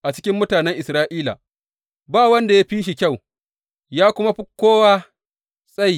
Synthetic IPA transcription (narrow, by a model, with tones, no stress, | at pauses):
ʔa˨t͡ʃɪ̥˦kʲɪ˦mːʊ˦taː˨nɛ˦ŋʔɪ˨sɾaː˦ʔiː˦la̰ː˨ | baː˦wɐ˦nda˨ja˦ɸiː˦ʃi˨kʲa˦˨w | jaː˦kʷʊ˦ma˦ɸɪ˦kːoː˦waː˦ | sʼa˦˨j